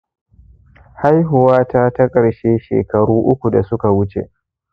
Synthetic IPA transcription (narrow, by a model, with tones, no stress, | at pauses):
ha˦jɦʊ˨waː˦ta˦ta˦kʼɐ˨ɽʃeː˦ʃḛː˨kɐ˨ɽuː˦ʔʊ˦kʷu˨da˨sʊ˦ka˨wʊ˦t͡ʃḛ˨ʔ